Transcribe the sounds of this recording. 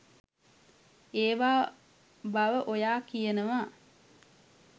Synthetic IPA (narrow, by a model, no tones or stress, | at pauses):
eːʋaː | baʋəʔojaːkijenəʋaː